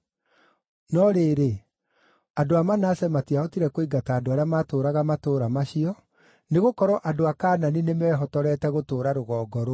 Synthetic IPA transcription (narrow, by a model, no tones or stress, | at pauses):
nɔɾeːɾe | adoamanasɛmatiaɔtiɾɛkwiɡataːdoaɾeamaːtoːɾaɣamatoːɾamaɕiɔ | neɣokɔɾɔʔadoakaːnaninemɛɦɔtɔɾɛːtɛɣotoːɾaɾoɣɔːɡɔɾo